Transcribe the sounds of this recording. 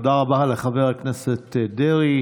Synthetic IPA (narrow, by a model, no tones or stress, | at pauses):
daʁabaleχaveʁakneset̪ːdeʁi